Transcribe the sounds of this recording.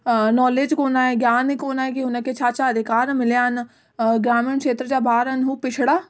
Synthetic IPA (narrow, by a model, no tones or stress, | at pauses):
nɔːleːd͡ʒkoːnaːeɡjaːnekoːnaːkiʊnaket͡ʃʰaːt͡ʃaəd̪ʱɪkaːɾmɪlejaːn | ɡɾaːmẽɳkʃeːt̪ɾəd͡ʒaːbʱaːɾənɦuːpɪt͡ʃʰɽaː